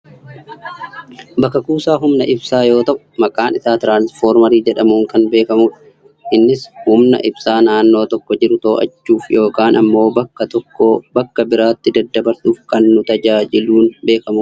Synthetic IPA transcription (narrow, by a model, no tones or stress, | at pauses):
bɐkːɐkuːsaːɦʊmnɐʔɪbsaːjo̞ːt̪ɐʔʊ̥mɐkʼaːnɪsaːt̪ɾaːnsfo̞ːɾmɐɾiːd͡ʒɛᶑɐmuːŋkɐnbe̞ːkɐmuːᶑɐ | ʔɪnːɪshʊmnɐ̰ʔɪbsaːnaːnːo̞ːt̪ɔkːɔd͡ʒɪɾʊt̪o̞ːʔɐ̰t͡ʃːuːfjo̞ːkaːnʔɐmːo̞ːɐkːɐt̪ɔkːobɐkːɐbɪɾaːt̪ːɪd̪ɐd̪ːɐbɐɾsuːfkɐnːʊt̪ɐd͡ʒaːd͡ʒɪluːnbe̞ːkɐmu